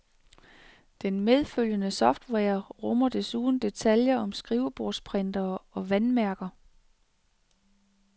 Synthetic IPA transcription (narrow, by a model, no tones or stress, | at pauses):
d̥enmeð̞ˠføl̰jənəsɒ̽fd̥weːɐʁɔmɐd̥e̝suːn̩d̥e̝t͡sʰæljɐʔɒ̽msɡ̥ʁiʊb̥o̝ɐspʰʁen̰d̥ɐɒ̽ʋænmæɐɡ̥ɐ